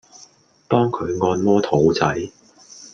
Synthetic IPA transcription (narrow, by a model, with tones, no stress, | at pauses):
t̪ɔː˥ŋkʰɵ˨˧ɥŋɔː˧nmɔː˥t̪ʰo˨˥wt͡sɐ˨˥j